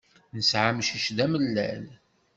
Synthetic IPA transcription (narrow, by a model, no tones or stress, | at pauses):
nəsʕamʃiʃðæməlːæ̰l